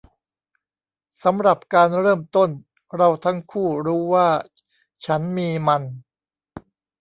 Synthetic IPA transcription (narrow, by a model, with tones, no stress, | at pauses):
sa˩˦mɾa˨˩p̚kaː˧nɾɤː˥˩mt̪o˥˩n | ɾa˧wt̪ʰa˦˥ŋkʰuː˥˩ɾuː˦˥waː˥˩ | t͡ɕʰa˦˥nmiː˧ma˧n